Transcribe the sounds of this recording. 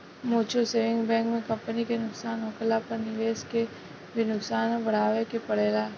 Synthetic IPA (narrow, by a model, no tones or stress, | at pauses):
moːt͡ʃʰoseːʋɪ̃ŋɡbɛ̃ːŋkmẽkɐ̃mpənikenʊksaːnɦokəlapɐɾnɪʋeːske | bʱinʊksaːnbɐɽ̤aːʋekepɐɽ̤eːlaː